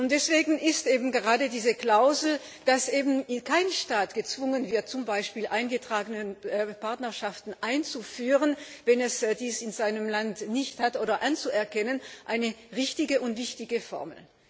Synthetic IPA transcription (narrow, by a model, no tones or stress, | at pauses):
ʊntd̥ɛsv̥eːɡŋ̩ʔɪstʔeːbm̩ɡəʁaːdədiːzəkl̥aʊzl̩ | d̥asʔeːbn̩kʰaɪnʃtaːtɡ̥ət͡sv̥ʊŋənvɪɐt̚t͡sʊmbaɪʃpiːlʔaɪnɡətʁ̥aːɡənənpaɐtnɐʃaftn̩ʔaɪnt͡sufyːʁənvɛnɛsdiːsɪnzaɪnəmlantnɪçthatʔoːɾɐʔant͡suɛɐkɛnənʔaɪnəʁɪçtɪɡəʔʊntv̥ɪçtɪɡəfɔ̰ɐml̩